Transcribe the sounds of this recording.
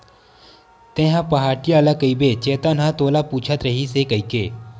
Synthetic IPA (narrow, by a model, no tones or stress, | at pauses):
t̪ẽːɦãpɐɦaːʈijalakəibet͡ʃeːt̪anɦãt̪oːlapuːt͡ʃʰət̪ɾɐɦisekɐikeː